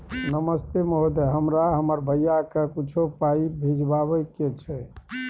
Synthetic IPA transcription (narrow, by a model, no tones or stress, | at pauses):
nəməst̪eməɦod̪eɦəmɾaɦəməɾbʱəjakekut͡ʃʰopaibʱid͡ʒbaβəket͡ʃʰɛ